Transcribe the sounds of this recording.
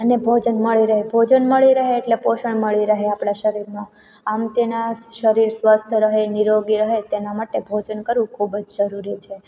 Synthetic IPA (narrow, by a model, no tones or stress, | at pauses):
ənebʱod͡ʒənməɭiɾəɦebʱod͡ʒənməɭiɾəɦeːʈlepoʃəɳməɭiɾəɦeapɳaʃəɾiɾmã | amt̪enaʃəɾiɾsʋəst̪ʰəɾəɦeniɾoɡiɾəɦet̪enamaʈebʱod͡ʒənkəɾʋũkʰubd͡ʒʃəɾuɾit͡ʃʰe